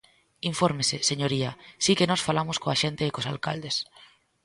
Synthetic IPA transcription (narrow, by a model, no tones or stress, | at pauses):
iɱfoɾmesɪseɲoɾiɐsikenɔsfalamʊskoaʃent̪eːkosalka̰ld̪es